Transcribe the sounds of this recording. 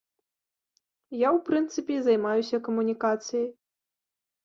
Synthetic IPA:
jawpɾɨnt̪sɨpʲɛzɐjmajusʲɐkɐmunʲikat̪sɨjɐj

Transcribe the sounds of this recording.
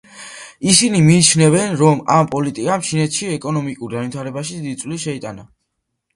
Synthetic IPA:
isinimiːt͡ʃʰnɛvɛnɾɔmampʼɔlit̪ʼikʼamt͡ʃʰinɛt̪ʰʃiɛkʼɔnɔmikʼuɾɡ̪anvit̪ʰaɾɛbaʃid̪id̪it̪sʼliʃɛit̪ʼana

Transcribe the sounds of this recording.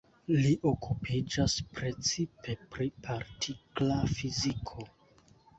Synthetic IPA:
liʔo̞kupʰid͡ʒaspɾe̞t͡sipe̞pɾipʰaɾtʰiklafizikʰo̞

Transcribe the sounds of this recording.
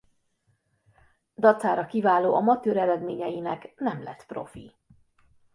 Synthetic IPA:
d̪ɒt̪saːɾɒkivaːloːʔɒmɒt̪øːɾɛɾɛd̪meːɲɛjinɛknɛmlɛt̪pro̰fḭ

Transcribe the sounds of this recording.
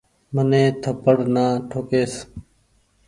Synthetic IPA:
mənẽːt̪ʰəpəɽnaːʈʰoːkeːs

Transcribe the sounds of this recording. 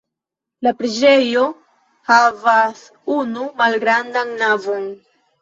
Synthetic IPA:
lapɾid͡ʒe̞jo̞ | havas | unumalɡɾandanːavon

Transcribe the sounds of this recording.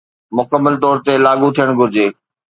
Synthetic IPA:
mʊkəmːəlt̪ɔːɾt̪elaːɠut̪ʰijəɽ̃ɡʱʊɾɪd͡ʑeː

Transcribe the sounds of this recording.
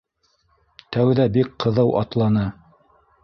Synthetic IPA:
t̪æwðæbikqɤ̆ðɤwʔɑ̰t̪lˠɑnɤ

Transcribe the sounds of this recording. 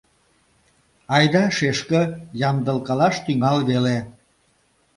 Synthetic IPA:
ɑjd̪ɑʃeʃkə̆jɑmd̪əlkɑlɑʃt̪yŋɑlβele

